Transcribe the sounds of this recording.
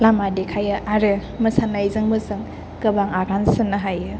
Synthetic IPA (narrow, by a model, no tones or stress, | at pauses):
lamadekʰajɯʔaɾɯ | mɯsanajzɯŋmɯzɯŋ | kɯbaŋaɡansɯnɯɦajɯ